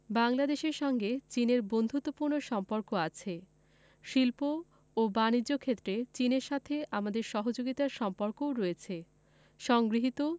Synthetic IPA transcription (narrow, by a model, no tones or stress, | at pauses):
baŋlad̪eʃeɾʃɔŋɡet͡ɕineɾbond̪ʱut̪ːopuɾnoʃɔmpoɾkoat͡ɕʰe | ʃilpoː | banid͡ʑːokʰet̪ːɾet͡ɕineɾʃat̪ʰeamad̪eɾʃɔɦod͡ʑoɡit̪aɾʃɔmpoɾkowɾojet͡ɕʰe | ʃɔŋɡɾiɦit̪o